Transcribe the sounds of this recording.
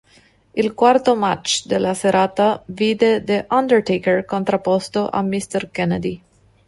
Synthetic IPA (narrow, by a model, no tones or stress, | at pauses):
ilkwart̪omat͡ʃːd̪elːaseɾaːt̪aviːd̪ed̪eʔand̪ɛrt̪ekerkont̪ɾapːɔst̪oʔa̰mːist̪ɛrkɛnad̪i